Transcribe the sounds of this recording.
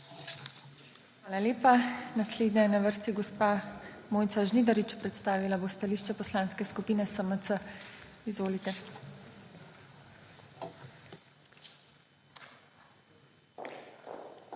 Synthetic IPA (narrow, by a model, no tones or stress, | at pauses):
xʋaːlaleːpanasleːd̪nɛjɛnaʋəɾst̪iɡɔspamoːj̪saʒnid̪aɾit͡ʃpɾɛt̪st̪aːʋilabost̪aliːʃt͡ʃɛpɔslãnskɛskupiːnɛsəmət̪səizʋoːlit̪ɛ